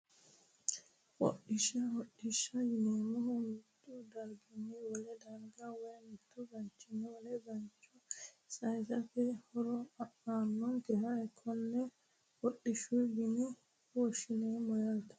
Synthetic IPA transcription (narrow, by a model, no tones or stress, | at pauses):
wɔ̰ɗɪʃɐwɔɗːɪʃɐjɪneːmɔhʊmt̪ːud̪ɐɾɡɪniwɔlɛd̪ɐɾɡawɔjɐmɪt̪ːɔɡɐnt͡ʃːɪnɛwɔlɛɡɐnt͡ʃːɔ | sʼɐjsɐfɛhɔɾɔɐʔaːnːɔnt̪ɛhaɛkʰːɔnːɛ | wɔɗːɪʃuɡɪnɪ | wɔʃɪneːmɔjɐlt̪ɐ̥